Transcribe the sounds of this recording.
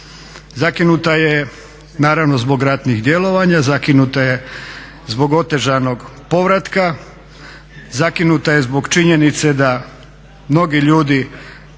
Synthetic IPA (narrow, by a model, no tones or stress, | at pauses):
zakinut̪aje | naːɾaʋno̞zbo̞ɡɾat̪nixd̪je̞lo̞ʋaɲazakinut̪aje̞ | zbo̞ɡo̞t̪e̞ʒajno̞ɡpo̞ʋɾat̪ka | zakinut̪ajezbo̞ɡt͡ʃiɲe̞nit̪se̞d̪a | mno̞ɡiʎuːd̪i